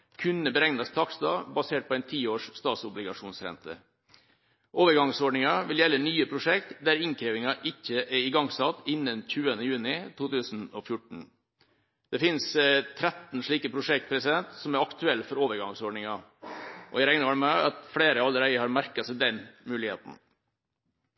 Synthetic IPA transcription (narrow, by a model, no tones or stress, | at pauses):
kʰʉnːəbəɾɛŋnɑst̪ʰɑːksd̪ɑːbɑseːʈ̚pʰɔæɪnt̪ʰiːoːʂst̪ɑːt̪sʊblɪɡɑʂuːnsɾɛ̰nt̪ʰə̰ | ʔoːʋəɾɡɑŋsɔɖɳɪŋɑʋɪljɛlːənyːəpʰɾʊʂɛkt̪d̪æɾɪŋkʰɾeːʋɪŋɑʔɪçːəʔɛɾɪɡɑŋsɑt̪ːɪnːənçʉːənəjʉːnɪt̪ʰuːt̪ʰʉːsn̩ɔfjʊʈɳ̩ | d̪̥ɛfɪnst̪ʰɾɛt̪n̩ʂɭiːkəpʰɾʊʂɛkt̪̚pʰɾɛsɪd̪ɛnt̪sɔmæɾɑkt̪ʰʉɛlːfɔɾoːʋəɾɡɑŋsɔɖɳɪŋɑ | ʔɔ̰jæɾæɪnəʋhɑɽmæɑt̪fɽeːɾəɑləɾæɪəhɑɾmæɾkɑsæɪd̪ɛnmʉːlɪhḛːt̪n̩